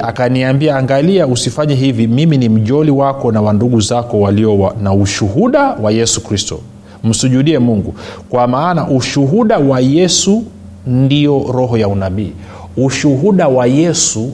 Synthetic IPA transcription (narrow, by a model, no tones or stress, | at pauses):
akaniambiaːŋɡaliausifaɲɛɦivimiminim̩ʄɔliwakɔnawanduɠuzakɔwaliɔwanauʃuɦuɗawajɛsukɾistɔ̰ | m̩suʄuɗiɛmuŋɡukwamaːnaʔuʃuɦuɗawajɛsu | ndiɔɾɔɦɔjaunaɓiː | uʃuɦuɗawajɛsu